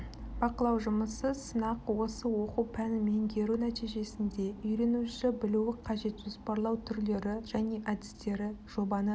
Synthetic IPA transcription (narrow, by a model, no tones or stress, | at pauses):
b̥ɑqəlˠɑwʒʊməsəsənɑqwo̞səwo̞quwpʰænɪme̞ŋɡ̪ʲe̞ɾunæt̪ijʒe̞sɪnd̪e̞ʏjɾe̞nuʃɪbɪluwɪqʰɑʒe̞t̪ʒospɑɾlˠɑwt̪ʰʏɾle̞ɾɪʒ̥æne̞ʔɑd̪ɪst̪e̞ɾɪʒ̥o̞bɑnə